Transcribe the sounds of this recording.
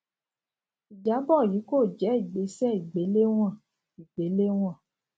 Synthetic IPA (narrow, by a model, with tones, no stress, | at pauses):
i˨d͡ʒa˨˦bɔ˦˨ji˨˦ko˦˨d͡ʒɛ˨˦i˦˨ɡ͡be˨˦sɛ˦i˨ɡ͡be˨˦le˦w̃ã˦˨ | i˨ɡ͡be˨˦le˦w̃ɔ̃˦˨